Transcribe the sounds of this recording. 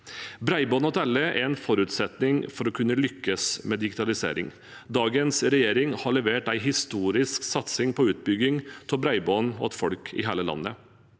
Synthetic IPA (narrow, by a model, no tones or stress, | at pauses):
bɾæɪbɔːnɔt̪ʰɛlːəʔɛ̰ɾɛnfɔɾʉt̪sɛt̪nɪŋfɔɾɔkʰʉnːəlʏkːəsmɛd̪ɪɡɪt̪ʰɑlɪsḛːɾɪ̰ŋ | d̪ɑːɡənsɾɛjeːɾɪŋhɑɭɛʋeːʈæɪɦɪst̪uːɾɪsksɑt̪sɪŋpʰɔʉːt̪̚bʏɡɪŋt̪ʰɔbɾæɪboːnɔ̰t̪fɔɽkʰɪ̰ɦæːləlɑ̰nːə̰